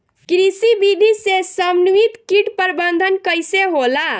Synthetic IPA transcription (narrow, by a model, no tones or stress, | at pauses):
kɾisibid̪ʱisesəmnuit̪kiʈpəɾbənd̪ʱənkəjseɦola